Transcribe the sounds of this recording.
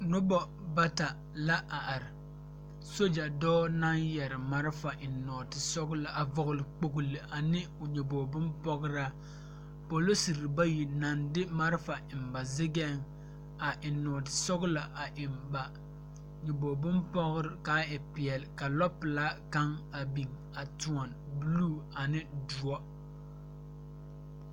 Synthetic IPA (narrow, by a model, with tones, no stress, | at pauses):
nʊ˦bɔ˦ | ba˦ta˨ | la˦ʔa˨ʔa˨ɾɪ˨ | so˦d͡ʒa˨dɔː˦na˦ŋjɛ˨ɾɪ˨ma˦ɾfa˨ʔɪ˨nːɔː˨tɪ˨sɔ˦ɡʊ˦la˨ʔa˨vɔ˨ɣʊ˨lɪ˨k͡po˦ɡu˦li˨ʔa˨nɪ˦ | ʊ˨ɲɛ˨boː˨bʊ˦mpɔ˦ɡʊ˦ɾa˦ | po˨lo˦si˨ɾba˦ji˨na˨ndɪ˦ma˦ɾfa˨ɪ˨mba˨zɪ˦ɡɛ˦˨ŋ | a˨ʔɪ˨nːɔː˨tɪ̥˨sɔ˦ɣʊ˦la˨ʔa˨ʔɪ˨mba˨ | ɲɛ˨boː˨bʊ˦mpɔ˦ɡʊ˦ɾɪ˨kaː˦ɪ˨pɪ˨ɛ˨lɪ˨ka˨lɔ˦pɨ˨la˦ka˦ŋa˨bi˨ŋ | a˨tu˨ɔ˨n | bɨ˦luː˦˨a˨nɪ˦du˨ɔ˦